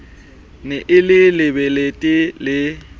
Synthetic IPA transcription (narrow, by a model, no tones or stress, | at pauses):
nɛʔɪlɪlɪbeletʼɪlɪ